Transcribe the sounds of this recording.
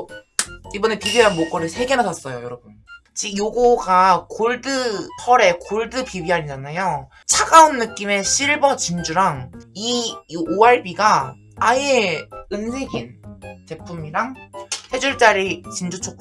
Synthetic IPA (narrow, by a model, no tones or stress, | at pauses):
ibʌne̞pibianmok͈ʌɾɯɭsʰe̞ɡenɦad͡ʑʌs͈ʌjojʌɾʌbun | t͡ɕijoɡoɡakoɭdɯpʰʌɾe̞koɭdɯpibiɦaɲid͡ʑanajo | t͡ɕʰaɡaunːɯk͈ime̞ɕʰiɭbʌt͡ɕind͡ʑuɾaŋioaɭbiɡaː | jeɯnsʰe̞ɡint͡ɕe̞pʰumiɾaŋsʰe̞d͡ʑuɭt͡ɕ͈aɾit͡ɕind͡ʑut͡ɕʰok̚